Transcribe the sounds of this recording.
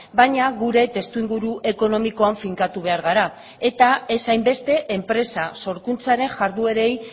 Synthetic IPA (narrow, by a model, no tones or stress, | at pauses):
baɲaɣuɾe̞t̪e̞st̪uiŋɡuɾuʔe̞ko̞no̞miko̞aɱfiŋkat̪uβe̞aɾɣ̞aɾa | e̞t̪ae̞sajmbe̞st̪e̞ʔempɾe̞saso̞ɾkunt͡saɾe̞nʝaɾðue̞ɾe̞j